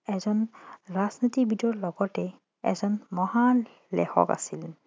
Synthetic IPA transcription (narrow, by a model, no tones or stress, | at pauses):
ɛzɔnɹaznot̪ibidɔɹlɔɡɔtɛ | ɛ̰zɔnmɔha | lɛ̰xɔ̰ka̰sil